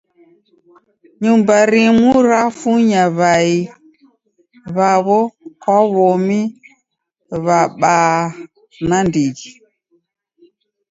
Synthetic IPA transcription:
ɲumbaɾimuɾafuɲaβai | βaβɔkaβɔmi | βaɓaː | nandiɣi

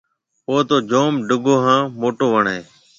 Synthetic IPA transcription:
poːt̪oːd͡ʒoːmɖʊɡoːɦãːmoːʈoːʋəɳẽː

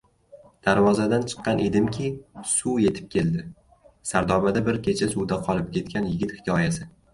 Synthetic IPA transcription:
d̪̥aɾvɒzad̪ant͡ʃʰɨ̥qːɑnʔe̞d̪ɪmkʲʰɪsuje̞t̪ʰɪ̥p̚kʲʰe̞ld̪ɪ | saɾd̪ɒmad̪abɪɾkʲʰe̞t͡ʃʰasuwd̪aqʰɒlˠɪp̚kʲʰe̞t̪̚kʲanjɪɡʲɪt̪hɪ̥kʰʲɒjasɪ

